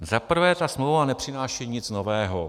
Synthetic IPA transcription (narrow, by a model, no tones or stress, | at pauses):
zapr̩vɛːt̪asmlowvanɛpr̝̥ɪnaːʃiɲɪt͡sno̞vɛːɦo